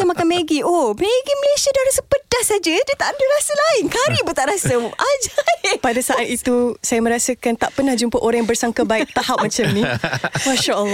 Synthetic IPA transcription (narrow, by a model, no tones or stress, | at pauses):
amakanmeɡiʔomeɡiməlesiadaɾasəpədahsad͡ʒədiət̪aʔandəɾasəlaɪnkaɾibət̪aʔɾasəʔad͡ʒapadasaʔat̪̚it̪usajamə̃ɾasəkant̪aʔpənahd͡ʒumpəʔoɾaŋjabərsaŋkabaɪk̚t̪ahap̚mãt͡ʃamnĩmaʃaʔəlˠ